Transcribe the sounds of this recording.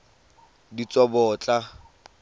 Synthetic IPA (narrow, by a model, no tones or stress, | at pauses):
dit͡sʼɔbɔːt͡ɬʼa